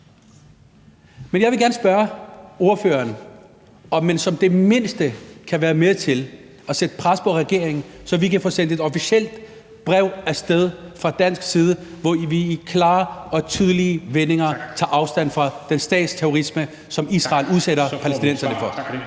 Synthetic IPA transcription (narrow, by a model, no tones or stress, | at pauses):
menjɑʋe̝ɡæɐnəsb̥ɶɐo̝ɐfø̰ːɐn | ɒ̽mːensɒ̽md̥e̝me̝n̰sd̥əkʰæʋæːɐmeðt͡sʰe̝l | ɒ̽sed̥əpʰʁaspʰɒ̽ʁɛɡ̥e̝ɐ̰eŋsɒ̽ʋikæfɔ̽ːsen̰d̥e̝d̥ɒfiɕel̰d̥ | b̥ʁɛʊ̰æsd̥eð̞ˠfʁɑ̈d̥æn̰sɡ̥siːð̞ˠəʋɒʋiːkʰlɑ̈ːɒ̽t͡sʰið̞ˠliəʋene̝ŋɐt͡sʰɑ̈ʔɑ̈ʊsd̥æn̰fʁɑ̈d̥ensd̥ɛ̰ːd̥st͡sʰeoʁismə | sɒ̽misʁɑ̈ːluðˠseɾɐpʰælesd̥inen̰sɐnəfɒ